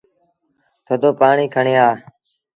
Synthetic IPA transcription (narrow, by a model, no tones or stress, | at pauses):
t̪ʰoːd̪oːpaːɳiːkʰəɳeːaː